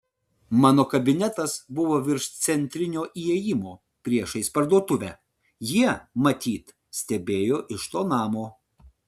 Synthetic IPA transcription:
mɑːnoːkɐbʲɪnʲɛt̪ɐsbʊʋoːʋʲɪɾʃt̪sʲɛnʲt̪ʲɾʲɪnʲoːʔiɛjɪmoː | pʲɾʲiɛʃɐɪspɐɾd̪uɔt̪ʊʋʲæː | jiɛmɐt̪ʲiːt̪ | sʲt̪ʲɛbʲeːjoːʔɪʃt̪oːnɑːmoː

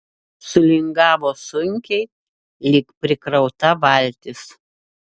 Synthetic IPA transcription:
sʊlʲɪŋɡɑːʋoːsʊŋʲkʲɛɪ | lʲɪkpʲɾʲɪkɾɒʊt̪ɐʋɐˑlʲt̪ʲɪs

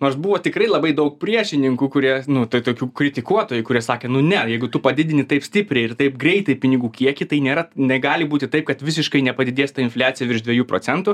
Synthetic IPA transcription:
noːrsbuʋoːt̪ʲɪkrɐɪlˠɐbɐɪd̪ɐʊk̚pʲɾʲiɛʃʲɪnʲɪŋkuːkʊɾʲiɛnʊt̪oːt̪oːkʲuːkɾʲɪt̪ʲɪkuɔt̪oːjʊkʊɾʲiɛsɑːkʲeːnʊnʲɛjɛɪɡʊt̪ʊpɐd̪ʲɪd̪ʲɪnʲɪt̪ɐɪpsʲt̪ʲɪpʲɾʲɛɪɪrt̪ɐɪp̚ɡɾʲɛɪt̪ɐɪpʲɪnʲɪɡuːkʲiɛkʲɪt̪ɐɪnʲeːɾɐnʲɛɡɑːlʲɪbuːt̪ʲɪt̪ɐɪp̚kɐt̪ʋʲɪs̬ʲɪʃkɐɪnʲɛpɐd̪ʲɪd̪ʲeːst̪ɐɪnflʲæːt͡sʲɪjɛʋʲɪɾʃd̪ʲʋʲɛjuːproːt͡sʲɛnt̪ʊ

